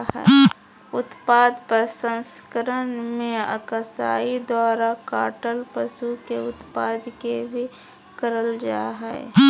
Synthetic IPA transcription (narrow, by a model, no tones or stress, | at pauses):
ɦɛ̰ː | ʊt̪paːd̪pəɾsə̃nskəɾənmẽə̰kəsa̰ːid̪waːɾakaːʈəlpəsukeʊt̪paːd̪kebʱi | kəɾəld͡ʒaːɦɛ̰ː